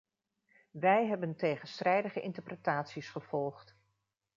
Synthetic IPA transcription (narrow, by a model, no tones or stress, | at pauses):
ʋɛjɦɛbəntejχənstrɛjdəχəʔɪ̰ntəɹprətaːtsisχəv̥ɔlˠχt